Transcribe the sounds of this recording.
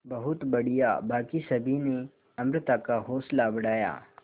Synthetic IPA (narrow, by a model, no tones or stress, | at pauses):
bɐɦʊt̪bɐɽ̤ijabaːkisɐbʱine | ɐmɾɪt̪akaɦoːslabɐɽaːja̰ː